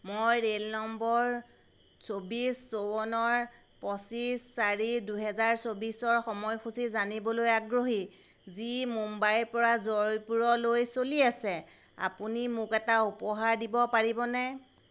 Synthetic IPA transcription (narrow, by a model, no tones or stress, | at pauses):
mojɹelnɔmbɔɹ | sobisːowɔnɔɹ | pɔsisːaɹiduɦɛzaɹsobisɔɹxɔmɔjxusizanibɔlojaɡɹoɦi | zimumbajɹpɔɹazɔɹjpuɹɔlojsoliasɛ | a̰punimʊkɛtaupɔɦaɹdibɔpaɹibɔnɛ